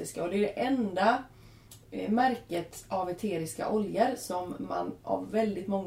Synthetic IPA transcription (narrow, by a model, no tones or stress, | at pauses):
ɪskaɔd̪ɛɖ̪ɛʔɛnd̪a | mæɾkət̪avɛt̪ʰeːɾɪska̰ʔɔljəɾsɔmːa̰nʔa̰vːɛld̪ɪt̪mɔŋː